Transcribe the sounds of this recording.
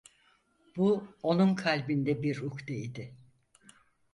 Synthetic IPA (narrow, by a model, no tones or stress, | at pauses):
b̥uo̞numkʰalʲbind̪ɛbiɾukd̪eid̪ɪ